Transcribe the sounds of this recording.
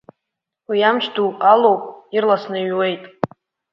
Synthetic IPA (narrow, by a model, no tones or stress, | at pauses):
wijamʃʰdualowpʼirlasnɨɥwe̞jtʼ